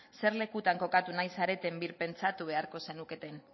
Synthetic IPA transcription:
se̞ɾle̞kut̪aŋko̞kat̪unajsaɾe̞t̪e̞mbiɾpe̞nt͡sat̪uβ̞e̞aɾko̞se̞nuke̞t̪e̞n

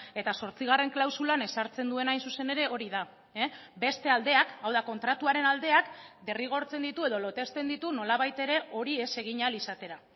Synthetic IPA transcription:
e̞t̪aso̞ɾt͡siɣ̞are̞ŋklawsulane̞saɾt͡se̞nd̪ue̞najnsuse̞ne̞ɾe̞o̞ɾiða | be̞st̪e̞ald̪e̞akawðako̞nt̪ɾat̪uaɾe̞nald̪e̞akd̪e̞riɣ̞o̞ɾt͡se̞nd̪it̪ue̞ð̞o̞lo̞t̪e̞st̪e̞nd̪it̪uno̞laβajt̪e̞ɾe̞o̞ɾie̞se̞ɣ̞iɲalisat̪e̞ɾa

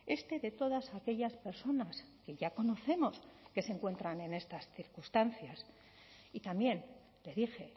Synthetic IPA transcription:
e̞st̪e̞ðe̞t̪o̞ðasake̞ʎaspe̞ɾso̞naske̞ʝako̞no̞θe̞mo̞ske̞seŋkwe̞nt̪ɾane̞ne̞st̪asθiɾkust̪anθjas | it̪ambje̞n | le̞ðixe̞

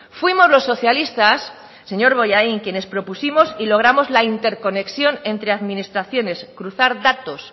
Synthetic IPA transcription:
fwimo̞zlo̞sːo̞θjalist̪asː | e̞ɲo̞ɾβo̞jaiŋkje̞ne̞spɾo̞pusimo̞silo̞ɣ̞ɾamo̞zlaint̪e̞ɾko̞ne̞ksjo̞ne̞nt̪ɾe̞aðmĩnist̪ɾaθjo̞ne̞skɾuθaɾðat̪o̞s

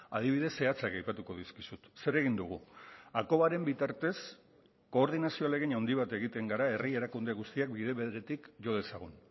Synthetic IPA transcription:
a̰ð̞iβiðe̞sːe̞at͡sakɡajpat̪uko̞ð̞iskisut̪se̞ɾe̞ɣ̞ind̪uɣ̞uako̞βaɾe̞mbit̪aɾt̪e̞s | ko̞ːɾð̞inasio̞ale̞ɣinawnd̪iβ̞at̪e̞ɣit̪e̞ŋɡaɾae̞rie̞ɾakund̪e̞ɣust̪iak̚biðe̞βeðɾe̞t̪ikʝo̞ð̞e̞saɣ̞un

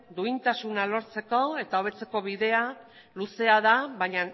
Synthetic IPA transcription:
d̪uint̪asunalo̞ɾt͡se̞ko̞e̞t̪ao̞βe̞t͡se̞ko̞βiðe̞a | luse̞aðaβaɲa

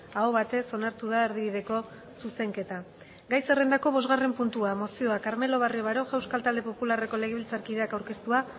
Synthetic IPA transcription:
aoβat̪e̞so̞naɾt̪uðae̞ɾðiβiðe̞ko̞ | suse̞ŋke̞t̪a | ɡajse̞re̞nd̪ako̞β̞o̞zɣare̞mpunt̪uamo̞sio̞akaɾme̞lo̞βario̞βaɾo̞ʝewskalt̪ald̪e̞po̞pulare̞ko̞le̞ɣeilt͡saɾkiðe̞akawɾke̞st̪ua

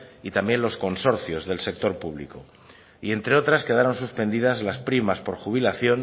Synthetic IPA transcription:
it̪ambje̞nlo̞sko̞nso̞ɾθjo̞zðe̞lse̞k̚t̪o̞ɾpuβ̞lḭko | ie̞nt̪ɾe̞o̞t̪ɾaske̞ðaɾo̞nsuspe̞nd̪ið̞azlaspɾimaspo̞ɾxuβ̞ilaθjo̞n

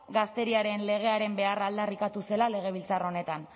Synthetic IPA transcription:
ɡast̪e̞ɾiaɾe̞nle̞ɣ̞e̞aɾe̞mbe̞arald̪arikat̪use̞lale̞ɣ̞e̞β̞ilt͡saro̞ne̞t̪an

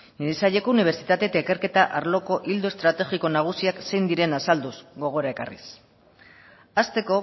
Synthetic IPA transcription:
neisaʎe̞ko̞uniβ̞e̞ɾt͡sit̪at̪e̞t̪aikaɾke̞t̪aʔaɾlo̞ko̞ʔild̪oe̞st̪ɾat̪e̞ɣiko̞naɣ̞usiakse̞jnd̪iɾe̞nasald̪uzɡo̞ɣ̞o̞ɾae̞ka̰rḭs | ast̪e̞ko̞

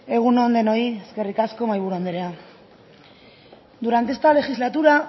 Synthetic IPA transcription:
e̞ɣ̞unond̪e̞no̞ieske̞rikasko̞majβuɾuond̪eɾea | d̪uɾant̪est̪ale̞xizlat̪uɾa

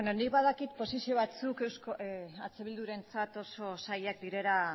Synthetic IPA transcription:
enonikβaðakit̪̚po̞sisio̞β̞at͡sukewskoat͡se̞βild̪uɾe̞nt͡sat̪o̞so̞sajakd̪iɾe̞ɾa

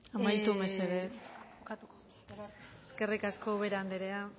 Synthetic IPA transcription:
amajt̪umeseðe | kat̪u | eske̞rikasko̞βe̞ɾand̪eɾea

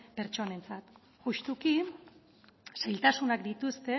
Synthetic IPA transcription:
pe̞ɾt͡ʃo̞ne̞nt͡sat̪ | ɣuʃt̪uki | sajlt̪asunakd̪it̪ust̪e̞

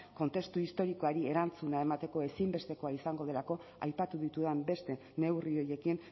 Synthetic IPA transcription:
ko̞nt̪e̞st̪uist̪o̞ɾiko̞aɾie̞ɾant͡sunae̞mat̪e̞ko̞e̞simbe̞st̪e̞ko̞aisaŋɡo̞ð̞e̞lako̞a̰jpat̪uðit̪uðembe̞st̪e̞ | ne̞wrio̞je̞kin

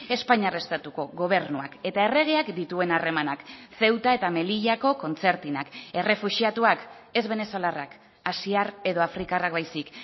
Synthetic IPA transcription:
e̞spaɲare̞st̪at̪uko̞ɣo̞β̞e̞ɾnuake̞t̪ae̞re̞ɣ̞e̞akd̪it̪ue̞nare̞manakθe̞wt̪ae̞t̪ame̞liʎako̞ko̞nt͡se̞ɾt̪inake̞re̞fuʃiat̪uake̞zβe̞ne̞so̞larak | asiare̞ðo̞afɾikarak̚bajsik

